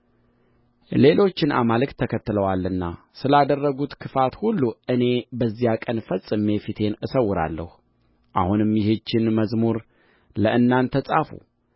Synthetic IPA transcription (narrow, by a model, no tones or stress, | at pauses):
le̞lo̞t͡ʃːɪnʔa̰malɨkt̪ʰːəkʰət̪ːɨləwalːɨnːa | sɨlad̪ərːəɡut̪kʰɨfat̪hulːuɨne̞bəzːijakʼənfəsʼːɨme̞fit̪ʰe̞nɨsəwːʊɾa̰lːə̰hu | ʔa̰hunɨmjɪhet͡ʃːɪnməzmuɾ | ləʔɨnːant̪ʰəsʼafṵ